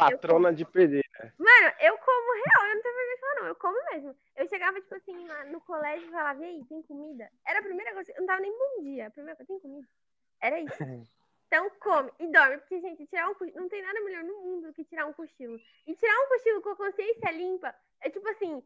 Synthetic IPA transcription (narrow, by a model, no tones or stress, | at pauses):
pat̪ɾõnɐd͡ʒɪpeɾd̪eɾɐ̰mɐ̃nʊʔewkõmʊɦeawewñt̪avɐvemẽfalanɐ̃w̃ewkõmʊmezmʊ | ewʃeɡavɐt͡ʃi̥pʊasĩnanʊkolɛʒʊfɛlaviejt̪ẽj̃komid̪ɐɛɾɐːpɾimejɾɐkojzɐewnɐ̃t̪avɐnẽj̃bõd͡ʒiɐɐpɾimejɾɐkozt̪ẽj̃komid̪ɐ | ɛɾɐisʊ̃ | t̪ɐ̃w̃kõmɪɪd̪ɔɾmɪpʊɾkeʒẽnt͡ʃɪt͡ʃiɾaũkonɐ̃w̃t̪ẽj̃nad̪ɐmeʎɔɾnʊmũd̪ʊd̪ʊkɪt͡ʃiɾaɾũkoʃilʊ | ɪt͡ʃiɾaũkoʃilʊkõɐkõsiẽsiɐlĩpɐ | ɛt͡ʃipʊasĩ